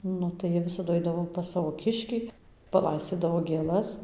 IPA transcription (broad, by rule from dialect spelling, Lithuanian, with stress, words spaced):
ˈnʊ tɐɪ ˈjiɛ ˈʋʲɪsɐdʊ ˈɐɪdɐʋoː pɐs ˈsɑːʋoː ˈkʲɪʃʲkʲiː pɐˈlˠɐɪsʲt͡sʲiːdɐʋoː ɡʲeːˈlˠɐs